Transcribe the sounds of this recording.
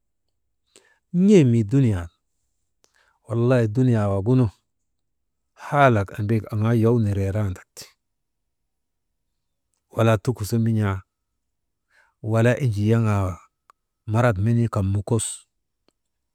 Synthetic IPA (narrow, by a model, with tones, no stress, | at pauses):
ɲe˦mi˨du˦ni˨ja˨n | wa˨lːa˦hi˨du˦ni˨ja˨wa˨ɡu˦nu˦ | ha˦la˨ka̰˨mbe˦ka˨ŋa˦ja˦wni˨ɾe˨ɾa˦ndḁ˨k̚ti̥˨ | wa˨la˦tu˦ku˨sa˦mi˦ɲa˦ | wa˨la˦ʔi˦nd͡ʒi˨ja˦ŋa˨wa˨ | ma˦ɾa˦t̬me˦ni˦ka˨mːu˨ko˦s